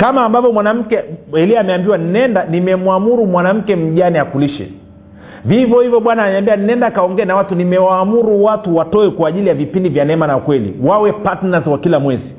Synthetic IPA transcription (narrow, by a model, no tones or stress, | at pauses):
kamaːmbavɔmwanam̩kɛɛliaːmɛambiwaninɛndanimɛmuamuɾumwanam̩kɛm̩ʄaniakuliʃɛ̰ | vivɔhivɔɓwanaːnɛambianiɛndakaɔŋɡɛɛnawatunimɛwaːmuɾuwatuwatɔɛkwaːʄilijavipindivjanɛmanaukwɛlḭwawɛpatnazwakilamwɛzi